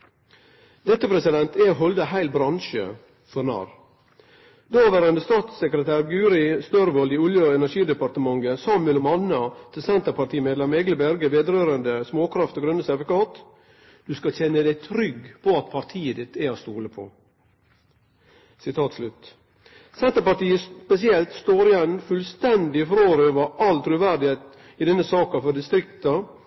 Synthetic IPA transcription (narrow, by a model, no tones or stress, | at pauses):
d̪ɛt̪ːəpʰɾɛsɪd̪ɛnt̪ɛɦɔld̪əɦæɪlbɾɑnʃə̰ | fɔnɑ̰ːɾ | d̪oːʋæːɾənd̪əst̪ɑːt̪səkɾət̪ʰæːɾɡʉːɾɪst̪œɾʋɔld̪iːʊljəɛnæʂiːd̪ɛpɑɾt̪əmɑŋɡəsɑːmʉəlmɑnɑt̪ʰɪlsɛnt̪əpɑɾʈ̪ʰiːmeːd̪ɑmɛɡləbæɾɡəʋeːd̪ɾøːɾənd̪əsmoːkʰɾɑft̪oːɡɾʉnəsædʋəkɑːt̪ | d̪̥ʉskɑçɛnːəd̪æɪt̪ʰɾʏɡpʰɔɑt̪pʰɑɾt̪ʰiːəd̪ɪt̪ːæɪɔst̪uːləpʰɔ̰ | sɪt̪ʰɑːt̪slʉt̪ | sɛnt̪əɾpɑʈ̪iːəpɛsɪɛlt̪st̪oːɾɪjɛnːfʉlst̪ɛnd̪ɪfɾoːɾøːʋəɾʔɑlt̪ʰɾʉʋæɾɖɪheːt̪ | ɪd̪ɛnːəsɑːkɑfɔɖɪst̪ɾɪkt̪ɑ